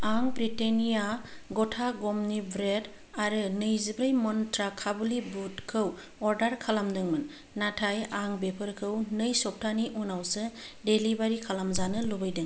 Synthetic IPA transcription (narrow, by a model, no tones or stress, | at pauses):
aŋbɾitenijaɡɔtʰaɡɔmnibɾed | aɾɯnɯjzɯbɾɯjmɔntɾakʰabulibutkʰɯw | ɔɾdaɾkʰalamdɯŋmɯnː | atʰajaŋbepʰɯɾkʰɯwnɯjsɔp̚tʰaniʔunawsɯdelibaɾikʰalamzanɯlubɯjdɯŋ